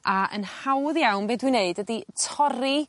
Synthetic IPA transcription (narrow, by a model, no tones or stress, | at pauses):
ʔaə̰nhawðjawnbeːdwineɨdwəditʰɔɾi